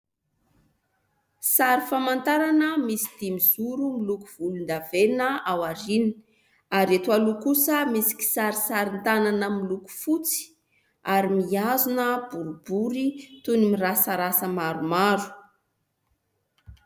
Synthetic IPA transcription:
saɾifamant̪aɾanəmisi̥d̪̥imiz̥uɾumilukuv̥ulund̪avenəawaɾini̥ | aɾet̪ualukusəmisi̥ki̥saɾisaɾint̪ananəmiluku̥fut͡si̥ | aɾimiazunəb̥uɾubuɾit̪unimirasəɾasəmaɾumaɾu̥

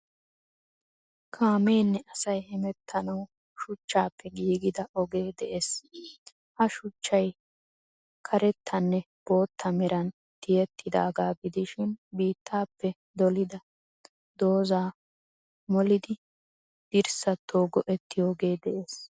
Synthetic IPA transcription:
kʰaːmeːnːɛʔɐsɐjhɛmɛt̪ʰːɐnɐw | ʃʊt͡ʃːaːpːɛɡiːɡɪd̪ɐɔɡe̞ːd̪ɛʔeːs | hɐʃʊt͡ʃːɐj | kʰɐɾɛt̪ʰːɐnːɛ | b̥o̞ːt̪ʰːɐmɛɾɐn | t̪ɪjɛt̪ʰːɪd̪a̰ːɡaːɡɪd̪ɪʃɪnbiːt̪ːaːpːɛ | d̪ɔlɪd̪ɐ | d̪o̞ːzaː | mɔlɪd̪ɪ | d̪̥ɪɾsɐt̪ʰːoːɡɔʔɛt̪ːɪjoːɡe̞ːd̪ɛʔeːs

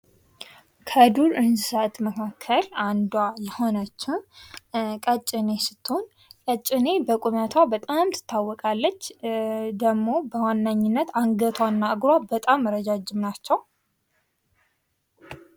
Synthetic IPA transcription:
kʰəd̪uɾɨnssət̪məkʰakʰːəland̪wajɛho̞nət͡ʃːɪ | kʼət͡ʃʼːɪne̞sɨ̥t̪ːon | kʼət͡ʃʼːɪne̞bəkʼumat̪ʰwabət̪ʼamt̪ʰɨ̥t̪ʰːawːɔkʼalːət͡ʃːd̪əɡmo̞bəwanːaɲːɪnːət̪aŋɡət̪ʰwanːaɨɡɾwabət̪ʼamːəɾəd͡ʒad͡ʒɪmnat͡ʃːɛw

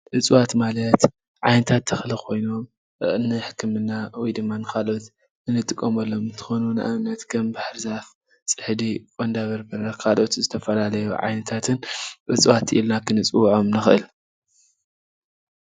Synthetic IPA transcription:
ʔɨt͡sʼwat̪malɐt̪ | ʕajnɐt̪ʰat̪ʰːɐxlikʰo̞jno̞m | ɨ̰ʔnɨħɨkʰːɨmɨnːawɔjd̪ɨmːanɨkalʔo̞t̪ | ɨnɨt̪ʼɨkʼːomɐlːo̞mɨnt̪ʰɨ̥xo̞nunɨʔamnɐt̪kʰɐmbaħɾzaf | t͡sʼɨħd̪ikʼond̪aβɐɾbɨɾɐkʰalʔo̞t̪zɨt̪ʰɐfɐlalɐjuʕa̰jnɐt̪ʰat̪ʰɨnʕɨ̰t͡sʼwat̪ːʔḭlnakʰɨnɨt͡sʼwʕomnɨxʔɨ̰l

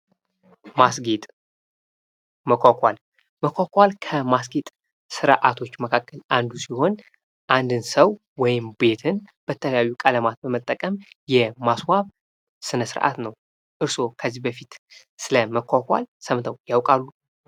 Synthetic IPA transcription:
masɡet̪ʼ | məkʷakʷal | məkʷakʷalkʰəmasɡet̪ʼ | sɨɾʔat̪ʰo̞t͡ʃːməkʰakʰʼːəlʔand̪usiho̞n | ʔand̪ɨnsəw | wɔjɪmbe̞t̪ʰɨnb̥ət̪ʰələjajːukʼələmat̪̚bəmət̪ʼːəkʼəmjɛmaswaβ | sɨnəsɨɾʔa̰t̪nəw | ʔɨɾso̞kʰəzːihbəfit̪ | sɨləməkʰʷakʷa̰lsəmt̪ʰəwjawkʼalːu

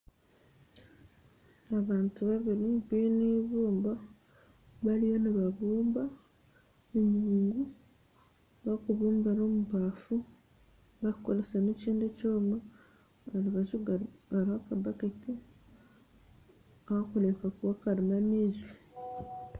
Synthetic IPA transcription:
aβaːntuβaβiɾiβiniβuːmba | βaɾijoniβaβuːmba | eɲiːŋɡu | βakuβuːmbano̞muβaːfu | βaiko̞ɾeseneciːndecoːma | aɾiβaʒuaɾihakabakati | ahakulekakuwakaɾimaniʒi

